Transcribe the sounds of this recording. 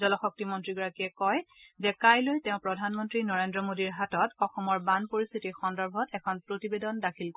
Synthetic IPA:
zɔlɔxɔk̚timɔntɹiɡɔɹakiɛkɔjzɛkajlojtɛʊ̃pɹɔdʱanmɔntɹinɔɹendɹɔmodiɹɦatɔtɔxɔmɔɹbanpoɹist̪ʰitixɔndɔɹbʱɔtɛkʰɔnpɹotibedɔndakʰilk

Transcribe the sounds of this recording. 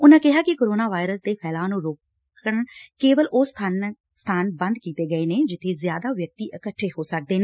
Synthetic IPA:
ʊnãːkɪɦaːkɪkoːɾoːnaːʋaːɪɾəsd̪eːpʰɛːlaːnũːɾoːk | əɳkeːʋəlʔʊsʰ | st̪ʰaːnbə̃nd̪̚kiːt̪eːɡəeːneːd͡ʒɪt̪ʰːeːzjaːd̪aːʋjək̚t̪iːʔəkəʈʰːeːhoːsək̚d̪eːneː

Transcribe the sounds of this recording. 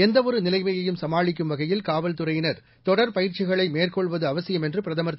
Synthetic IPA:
ɛnd̪ɐʋɔɾɯnɪlɐɪmɐjɐjɯmsɐmaːɭɪk̬ʲːɯmʋɐɣɐjɪlkaːʋɐlt̪ɯrɐjɪnɐɾ | t̪ɔɽɐɾpɐjɪɾt͡ʃɪɣɐɭɐɪmeːrkɔɭʋɐðɯɐʋɐsɪjɐmɛndrɯpɪɾɐðɐmɐɾt̪ː

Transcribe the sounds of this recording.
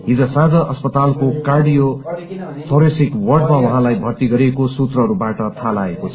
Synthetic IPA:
ɦid͡zʌsãd͡zʌʔʌspʌt̪alkokarɖijo | t̪ʰoɾesikwʌrɖmawʌɦãlajbʱʌrt̪iɡʌɾekosut̪rʌɦʌɾubaʈʌt̪ʰalaekot͡sʰʌ

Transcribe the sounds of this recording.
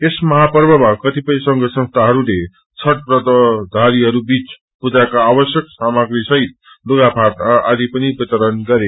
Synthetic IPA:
esmʌɦapʌrbʌmakʌt̪ipʌj̃sʌŋɡʌsʌ̃nst̪ʰaɦʌɾule | t͡sʰʌʈ̚prʌd̪ʌd̪ʱaɾiɦʌɾubit͡s | pud͡zakaːbʌsjʌksamaɡrisʌɦit̪̚ | loɡapʰaʈad̪ipʌnibʌt̪ʌɾʌnɡʌɾe

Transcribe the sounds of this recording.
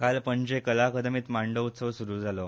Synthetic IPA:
kalpəɲd͡ʑekəlakəd̪miːt̪maɳɖout̪səʋsuɾuːd͡zalo

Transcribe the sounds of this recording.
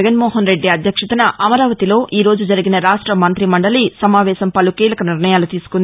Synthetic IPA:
ɡɐnmoːɦɐnɾe̞ɖːiɐd̪ʱjɐkʂɐt̪ɐnɐʔɐmɐɾaːʋɐt̪ilo̞ːʔiːɾo̞ːd͡ʒud͡ʒɐɾiɡinɐɾaːʂʈɾɐmɐnt̪ɾimɐɳɖɐlisɐmaːʋɛːʃɐmpɐlukiːlɐkɐniɾnɐjaːlut̪iːsu̥kund̪i

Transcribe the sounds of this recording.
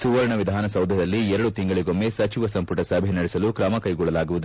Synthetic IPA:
suʋɐɾɐɳɐʋid̪ʱaːnɐsɐwd̪ʱɐd̪ɐlːiɛɾɐɽut̪iŋɡɐɭiɡo̞mːe̞sɐt͡ʃiʋɐsɐmpuʈɐsɐbʱenɐɽɛsɐlukɾaːmɐkɐjɡɔɭɐlaːɡuʋud̪u

